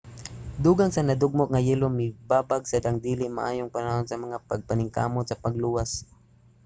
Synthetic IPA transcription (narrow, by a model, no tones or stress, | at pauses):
d̪uːɡaŋsɐnɐd̪ʊɡ̚mok̚ŋɐjɛlomɪbaːbaɡsɐd̪aŋd̪iːlɪʔma̰ʔaːjoŋpanɐhonsɐmɐŋapɐɡ̚pɐnɪŋka̰ːmot̪sɐpɐɡluːwas